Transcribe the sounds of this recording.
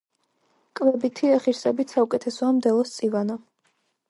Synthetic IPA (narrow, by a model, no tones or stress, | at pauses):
kʼvɛbit̪ʰiaχiɾsɛbit̪saukʼɛt̪ʰɛsɔamd̪ɛlˠɔst̪sʼivanɔ